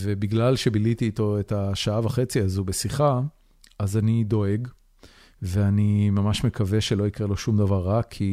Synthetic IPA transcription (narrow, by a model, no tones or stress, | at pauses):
ve̞biɡlalʃe̞bilit̪iːt̪o̞etaʃaavaχe̞t͡siazubesiχa | azanid̪o̞eɡ | veanimamaʃmekave̞ʃe̞lo̞ikʁelo̞ʃumd̪avaʁːakʰːi